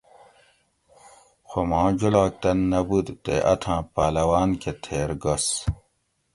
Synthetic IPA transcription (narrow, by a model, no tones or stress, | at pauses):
xomãːd͡ʑulaːk̚t̪ɐnːɐbud̪t̪ḛʔɐt̪ʰãːpaːlɐwaːnket̪ʰeːɾɡɐs